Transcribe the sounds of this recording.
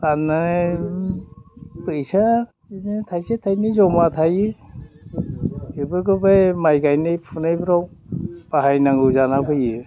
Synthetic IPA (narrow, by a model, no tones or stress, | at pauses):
tana | pɯjsa | ntʰajsatʰajnizɔmatʰajɯ | ɯbɯɡɯbajmajɡajnɯjpʰunɯjbɾawpaɦajnaŋɡɯzanapʰɯjɯ